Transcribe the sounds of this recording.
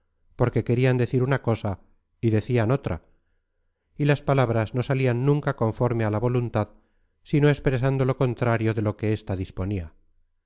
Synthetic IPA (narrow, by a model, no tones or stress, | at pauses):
po̞ɾke̞ke̞ɾiand̪e̞θiɾunako̞sa | iðe̞θiano̞t̪ɾʔa̰ | ilaspalaβɾazno̞salianːũŋkako̞ɱfo̞ɾme̞alaβo̞lunt̪að | sino̞espɾe̞sand̪o̞lo̞ko̞nt̪ɾaɾjo̞ðe̞lo̞ke̞est̪aðispo̞nia